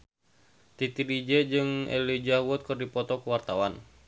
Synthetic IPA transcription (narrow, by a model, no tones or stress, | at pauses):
t̪it̪idid͡ʒɛd͡ʒɨŋɛ̰lid͡ʒahwɔt̪̚kɨrdipɔt̪ɔkuwart̪awan